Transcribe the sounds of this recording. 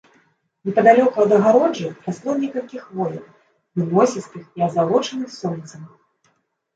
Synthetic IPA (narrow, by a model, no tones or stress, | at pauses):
nʲɛpɐd̪alʲɔkuɐd̪ɐɣaɾɔd͡ʐɨɾaslˠɔnʲɛkɐlʲkʲixvɔjʲɐw | vɨnɔsʲist̪ʲɨxiɐzalˠɔt͡ʂɐnɨxsɔnʲt̪sɐm